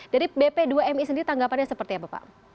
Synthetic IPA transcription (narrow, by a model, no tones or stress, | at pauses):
d̥aɾibepeduaɛmisəndiɾit̪aŋɡapanɲasəpərt̪iapapa̰